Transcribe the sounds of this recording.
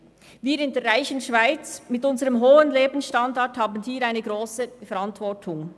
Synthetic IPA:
viːɾɪndɛːɾʁaɪçənʃv̥aɪt͡smɪtʊnzəʁəmɦoːənleːbn̩sʃtɑndɑthaːbən̩hiːɾaɪnəɡʁoːsəfɛɾɑntv̥ɔtʰʊŋ

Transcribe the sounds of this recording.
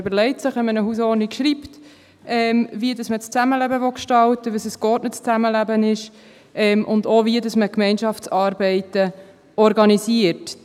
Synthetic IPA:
øbəɾlɛɪtsɪχʋɛmənəhuːsɔːɾnikʃɾiːpt | ʔɛmviədɑsmət͡st͡sæməlæbəʋɔkʃtɑltəʋəsəskɔːtnət͡st͡sæməlæbənɪʃ | ʔɛmʔʊndoviədɑsməkmɛɪnʃɑft͡sɑːɾbɛɪtə | ɔɾɡɑnisiəɾt

